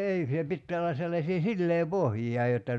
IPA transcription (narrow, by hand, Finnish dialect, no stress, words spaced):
ei se pitːæː olːɑ selːɑsiː silːeːpohjijɑ jotːɑ